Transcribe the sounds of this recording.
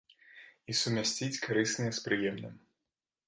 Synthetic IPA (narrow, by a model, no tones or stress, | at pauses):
isumʲasʲt͡sʲit͡sʲkʰaɾɨsnɨjɛspɾɨjɛmnɨ̰m